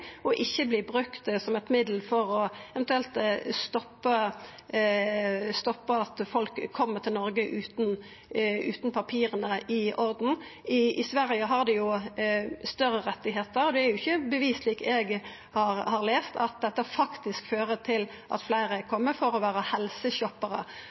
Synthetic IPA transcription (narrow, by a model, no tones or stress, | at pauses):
ɔʔɪçːəbliːbʁʉkt̪sɔmɛt̪mɪd̪l̩fɔɾɔɛʋɛnt̪ʉɛlt̪st̪ɔpːə | st̪ɔpːəɑt̪fɔlkʰːɔmːət̪ʰɪlnɔɾɡəʔʉːt̪n | ʉ̰ːt̪n̩pʰɑpʰiːɾənəʔɪʔɔɾd̪n̩ɪɪsʋæɾjəɦɑʁd̪ɛjʊ | st̪œɾəɾɛt̪ːɪɦeːt̪əɾɔd̪ɛæɾjʊɪçəbəʋiːsliːkɛɡ | hɑɾhɑɾleːst̪ɑ̰t̪̚d̪ɛt̪ːəfɑkt̪ɪskføːɾət̪ʰɪl | ʔɑ̰t̪flæɪɾəkʰɔmːəfɔɾɔʋæːɾəhɛlsəɕɔpːəɾə̰